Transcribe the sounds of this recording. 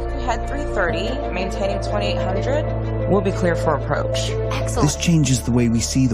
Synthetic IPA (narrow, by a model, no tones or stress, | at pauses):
ɨd̪̚θɹiθɜ˞ɾi | mẽɪ̃ntʰẽɪ̃ñɪ̃ŋtʰw̥ɛ̃ɾ̃ieɪt̚hʌ̃ndɹɨd̚ | wɪlˠbikʰl̥ɪɹfə˞əpʰɹ̥o̰ʊt͡ʃ | ɛksðɪst͡ʃʰẽɪ̃nd͡ʒɨzðəweɪwisiðə